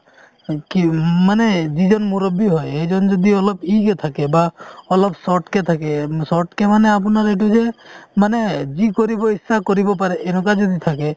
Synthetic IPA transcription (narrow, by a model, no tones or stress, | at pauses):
kimanɛd͡ʒid͡ʒɔnmuɾɔbːiɦɔjɦed͡ʒɔnd͡ʒɔd̪iɔlɔpiket̪ʰakebaɔlɔbsɔʈket̪ʰakesɔʈkemanɛap̬ɔnaɾeʈud͡ʒemaned͡ʒikɔɾibɔisːakɔɾibɔp̬aɾɛʔenɔ̃kad͡ʒɔd̪it̪ʰake